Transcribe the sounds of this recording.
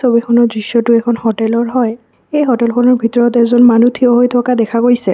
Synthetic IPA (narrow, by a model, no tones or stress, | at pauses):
sobikʰɔnɔɹdɹisːɔtʊɛkʰɔnhɔʈɛlɔɹɦɔj | ejɦɔtɛlkʰɔnɔɹbʱitɔɹɔtɛzɔnmanutʰiɔɦojtʰɔkadɛkʰakojsɛ